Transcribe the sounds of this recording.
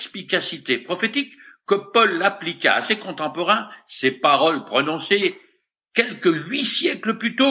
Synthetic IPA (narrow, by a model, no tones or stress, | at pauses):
spikasit̪epχɔfet̪ikːəpɔlːaplika̰a̰sekɔ̃t̪ɑ̃pɔʁɛ̃sepaʁɔlpχɔnɔ̃se | kʲɛlkəɥisjɛkləplyt̪o